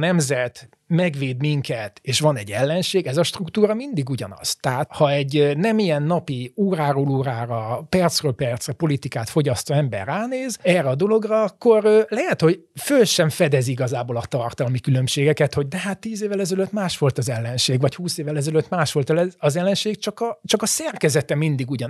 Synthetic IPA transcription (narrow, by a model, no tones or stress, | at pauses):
nɛmzɛt̪ | mɛɡʋeːd̪miŋkɛt̪eːʃʋɒnɛɟːɛlːɛnʃeːɡɛzɒʃt̪rukt̪uːɾɒmind̪iɡuɟɒ̰nɒ̰z̥t̪ɛɦat̪hɒɛɟnɛmijɛnːɒpiuːɾaːɾoːluːɾaːɾɒpɛrt̪srøːlpɛrt̪srɛpo̞lit̪ikaːt̪fo̞ɟɒst̪oɛmbɛ̰rːaːneːzɛrːɛɒd̪o̞lo̞ɡrɒɒkːo̞rølɛɦɛt̪ho̞ɟføːlʃɛɱfɛd̪ɛziɡɒzaːbolɒt̪ɒrt̪ɒlmikylø̞mʃeːɡɛkɛt̪hoɟ̚d̪ɛɦaːt̪ːiːzeːvːɛlɛzɛløt̪maːʃʋo̞lt̪ɒzɛlːɛnʃeːɡʋɒchuːseːvɛlɛzɛløt̪ːmaːʃʋo̞lt̪ɛlɛɒzɛlːɛnʃeːɡt͡ʃɒkɒt͡ʃɒkɒsɛrkɛzɛt̪ɛmind̪iɡuɟɒn